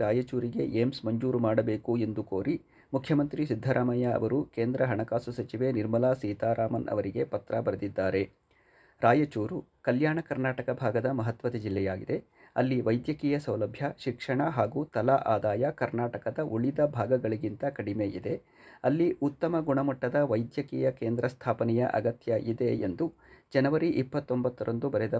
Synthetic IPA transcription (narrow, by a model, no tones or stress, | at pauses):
ɾaːjɐt͡ʃuːɾiɡe̞ʔeːmsmɐɲd͡ʒuːɾumaːɽɐbe̞ːkue̞nd̪ukoːɾʔi | mukʰjɐmɐnt̪ɾisid̪ʱːɐɾʔaːmɐjaɐ̰ʋɐɾukeːnd̪ɾɐɦɐɳɐkaːsusɐt͡ʃiʋe̞ːniɾmɐlaːsiːt̪aːɾaːmɐnʔɐ̰ʋɐɾiɡe̞pɐt̪ɾabɐɾɐd̪id̪ːaːɾe̞ | ɾaːjɐt͡ʃuːɾukɐljaːɳɐkɐɾnaːʈɐkɐbʱaːɡɐd̪ɐmɐɦɐt̪ʋɐt̪ed͡ʒilːɛjaːɡid̪e̞ | ɐ̰lːiʋɐjd̪jɐkiːjɐsɐwlɐbʱjɐʃikʂɐɳɐɦaːɡuːt̪ɐlaʔaːd̪aːjɐkɐɾnaːʈɐkɐd̪ɐʔuɭid̪ɐbʱaːɡɐɡɐɭiɡint̪ɐkɐɽime̞ʔḭd̪e̞ | ɐlːiut̪ːɐmɐɡuɳɐmɐʈːɐd̪ɐʋɐjd̪jɐkiːjɐkeːnd̪ɾɐst̪ʰaːpɐnɛjɐ̰ʔɐ̰ɡɐt̪jɐʔid̪e̞ḛnd̪ud͡ʒɐnɐʋɐɾiʔipːɐt̪ːo̞mbɐt̪ːɐɾɐnd̪ubɐɾed̪ɐ